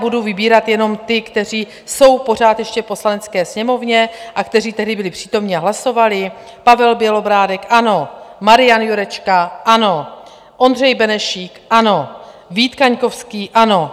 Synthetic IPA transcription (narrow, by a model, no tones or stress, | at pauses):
buduvɪbiːɾat̪jɛno̞mt̪ɪkt̪ɛr̝iː | so̞wpo̞r̝aːt̪jɛʃcɛfpo̞slanɛt͡skɛːsɲɛmo̞vɲɛʔakt̪ɛriːt̪ɛɦdɪbɪlɪpr̝̥iːt̪o̞mɲɪaɦlaso̞valɪ | pavɛlbjɛlo̞bɾaːdɛkʔano̞maɾɪjanjuɾɛt͡ʃkaʔano̞ | ʔo̞ndr̝ɛjbɛnɛʃiːkʔano̞ | viːt̪kaɲko̞fskiːʔano̞